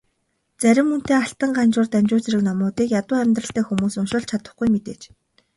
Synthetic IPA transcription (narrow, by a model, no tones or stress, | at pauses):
t͡sæɾʲɪ̆mːɵn̥t̪eːaɬt̪ə̆ɴɢant͡ɕʊːrt̪æmʲt͡ɕʊːt͡sɾɘ̆knɔmʊːt̪iːkjat̪ʊːæmʲt̪rə̆ɬt̪æːxumuːsɵnʃʊ̆ɮt͡ɕʰat̪ə̆χɡujmet̪eːt͡ɕ